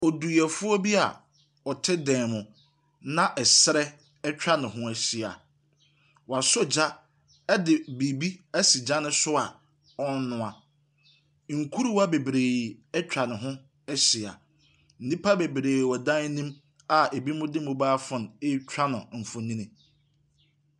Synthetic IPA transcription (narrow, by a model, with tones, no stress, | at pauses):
ɔ˨du˨ɛ˨fʊ˦ɔ˦bi˦a˨ | ɔ˨tʰɪ˦dɛ̃˨mʊ̃˨ | nã˦ʔɛ˨sɾɛ˦ | ɛ˦t͡ɕᶣɾa˦nʊ̃˨ɦʊ̃˦æ˨ɕi˨a̰˨ | wa˨sɔ˦d͡ʑa˦ | ɛ˦dɪ˨bi˨bi˦æ˦si˨d͡ʑa˦nʊ̃˦sʊ˦a˨ | ɔ˦n̩˦nʊ̃˨a˨ | ŋ̩˨kʰu˦ɾu˦wa˦be˨bɾeː˨ɛ˦t͡ɕʰᶣa˨nʊ̃˨ɦʊ̃˦ | ɛ˦ɕɪ˨a̰˨ | n̩˨nĩ˦pʰa˦be˨bɾeː˨wɔ˨dã˦nĩ˦m | a˨e˨bi˦mʊ̃˦dɪ˦mʊ̃˦baː˦fʊ̃˨ne˦t͡ɕʰᶣɾa˦nʊ̃˨m̩˨fʊ̃˨nĩ˦nɪ̃˨